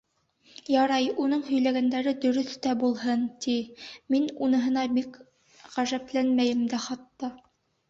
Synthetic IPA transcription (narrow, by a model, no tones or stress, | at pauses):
jɑɾɑjunɤɴɦɵ̆jlæɡænd̪æɾɘd̪ɵ̆ɾɵθt̪æbulˠhɤnt̪iminunɤ̆ɦɤ̆nɑbik | ʁæʒæplænmæjɘ̆md̪æχɑt̪ːɑ